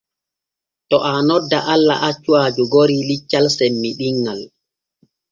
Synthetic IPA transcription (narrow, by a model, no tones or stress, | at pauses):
tɔʔanɔdːaʔalːa̰ʔat͡ʃːuad͡ʒuɡoɾilit͡ʃːalsɛmːiɗiŋːal